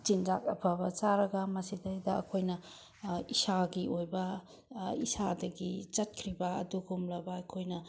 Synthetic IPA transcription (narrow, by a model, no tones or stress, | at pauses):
t͡ʃind͡ʒakɐpʰɐbɐt͡ʃaɾɐɡɐmɐsidɐdɐɐ̰kʰojnɐ | isaɡiʔojbɐ | isadɐɡit͡ʃɐt̚kʰɾibɐɐ̰duɡumlɐbɐɐkʰojnɐ